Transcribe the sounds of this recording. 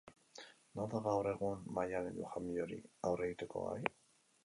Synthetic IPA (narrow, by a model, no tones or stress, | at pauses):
noðaɣawre̞ɣunmajaneʎuxamioɾḭawreit̪eko̞̰a̰j